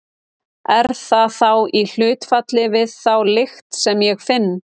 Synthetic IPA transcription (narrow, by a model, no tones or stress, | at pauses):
ɛɾɾ̥θaθawil̥ʏːt̪fat̪lɪvɪðθawlɪxt̪sɛmjɛɣfɪnː